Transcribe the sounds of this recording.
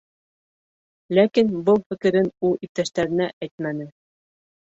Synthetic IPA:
lækinbɤlˠfɘ̆kɘ̆ɾɘnulˠip̚t̪æʃt̪æɾɘ̆næʔæjt̪̚mænɘ

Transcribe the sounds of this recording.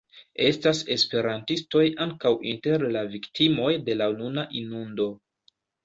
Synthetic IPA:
e̞stase̞spe̞ɾantisto̞jʔaŋkawʔinte̞ɾlaviktʰimo̞jde̞lanunaʔinundo̞

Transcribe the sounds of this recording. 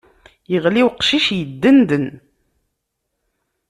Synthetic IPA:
jəʁliwqʃiʃjəd̪ːənd̪ən

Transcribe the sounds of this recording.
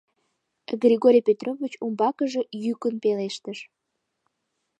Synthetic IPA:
ɡrʲiɣoɾʲijpʲet̪rovit͡ɕumbɑkəʒe̽jykənpeleʃt̪əʃ

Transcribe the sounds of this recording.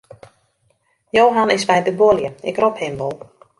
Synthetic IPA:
jowɦanɪsʋɛjdəboljəɪkrophɪmʋolˠ

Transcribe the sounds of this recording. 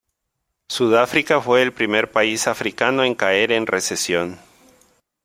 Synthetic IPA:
suðafɾikafwe̞ːlpɾime̞ɾpaisafɾikano̞e̞ŋkae̞ɾe̞nresesjo̞n

